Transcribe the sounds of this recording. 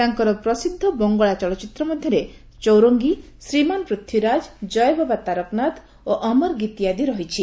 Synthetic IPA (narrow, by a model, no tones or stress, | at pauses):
t̪aŋkɔɾɔpɾɔsid̪ʱːɔbɔŋɡɔɭat͡ʃɔɭɔt͡ʃit̪ɾɔmɔd̪ʱjɔɾe | t͡ʃɔwɾoŋɡi | sɾimanɔpɾut̪ʰjuɾad͡ʒd͡ʒɔjbʱɔbat̪aɾɔknat̪ | oʔɔmɔɾɡit̪ijad̪iɾɔɦit͡ʃʰi